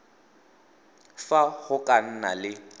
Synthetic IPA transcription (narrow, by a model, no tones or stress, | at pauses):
faɣʊkʼan̩na̰lɪ